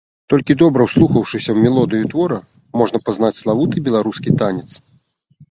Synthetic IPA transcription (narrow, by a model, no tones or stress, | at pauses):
t̪ɔlʲkʲid̪ɔbɾɐwslˠuxɐwʂɨsʲɐwmʲɛlˠɔd̪ɨjut̪vɔɾɐ | mɔʐnɐpaznat͡sʲslˠavut̪ɨbʲɛlˠaɾuskʲit̪anʲɛt̪s